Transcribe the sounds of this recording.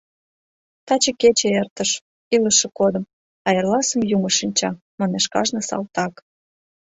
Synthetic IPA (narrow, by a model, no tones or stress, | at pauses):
t̪ɑt͡ɕeket͡ɕeert̪əʃ | iləʃĕkod̪ə̆m | ɑjerlɑsəmjuməʃinʲt͡ɕɑ | mɑneʃkɑ̰ʒnĕsɑ̰lt̪ɑk